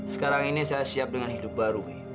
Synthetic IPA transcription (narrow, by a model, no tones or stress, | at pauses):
sə̥kaɾaŋinisajasiap̚dəŋanhidup̚baɾu